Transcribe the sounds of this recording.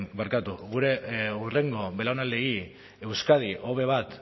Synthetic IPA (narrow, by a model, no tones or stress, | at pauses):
baɾkat̪uɣuɾe̞ure̞ŋɡo̞βe̞laonalei | e̞wskað̞iʔo̞βe̞β̞at̪